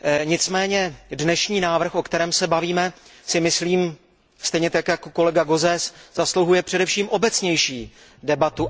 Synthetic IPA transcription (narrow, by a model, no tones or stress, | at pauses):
ɲɪt͡smɛːɲɛdnɛʃɲiːnaːvr̩xʔo̞kt̪ɛɾɛːmsɛbaviːmɛsɪmɪsliːm | st̪ɛjɲɛt̪akjakoko̞lɛɡaɡo̞zɛsz̥aslowɦujɛpr̝̥ɛdɛfʃiːmʔo̞bɛt͡sɲɛjʃiː | dɛbat̪u